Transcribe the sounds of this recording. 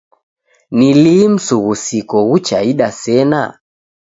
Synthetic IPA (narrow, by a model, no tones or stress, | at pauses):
nilim̩suɣusikɔɣut͡ʃaiɗasɛna̰